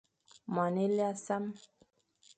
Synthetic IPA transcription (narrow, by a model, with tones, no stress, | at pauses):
ma˨ne˦li˦a˦sa˦m